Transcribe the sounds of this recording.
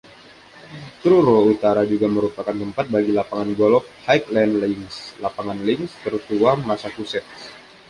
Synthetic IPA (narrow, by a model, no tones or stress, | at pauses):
t̪ɾuɾout̪aɾad͡ʒuɡaməɾupakant̪əmpat̪̚baɡilapaŋanɡɔlɔk̚hajklɛndlɪŋslapaŋanlɪŋst̪ərt̪uamasakusɛt̪̚s